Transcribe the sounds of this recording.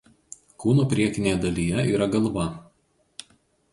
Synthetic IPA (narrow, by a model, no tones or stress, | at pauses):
kuːnuːpʲɾʲiɛkʲɪnʲeːjɛd̪ɐlʲiːjɛiːɾɐɡɐlˠʋɐ